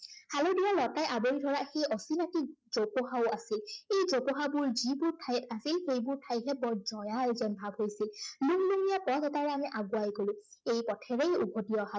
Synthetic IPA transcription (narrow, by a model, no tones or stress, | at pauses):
halodialɔtajʔaboɹidʱɔɹaxejɔsinatikzopoɦaʊasilejzopoɦabʊɹzibʊɹtʰajɛtasilxejbʊɹtʰajɦɛbɔɹzɔjalzɛnbʱabɦojsilluŋluŋijapɔtɔtaɹɛamiʔaɡʊajɡolʊ̃ejpɔtʰɛɹɛjṵbʱotiɔɦa